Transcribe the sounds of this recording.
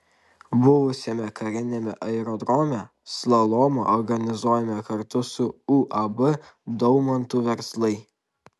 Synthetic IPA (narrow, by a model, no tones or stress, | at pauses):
bʊʋʊsʲɛmʲɛkɐɾʲɪnʲɛmʲɛ̰ʔɐɛɾɔd̪ɾɔmʲɛ | slˠɐlˠɔmoɔɾɡɐnʲɪzuːjɛmʲɛkɐɾt̪ʊsʊuːʔɐbɨ | d̪ɔʊmɐnt̪ʊʋʲɛɾslˠɐɪ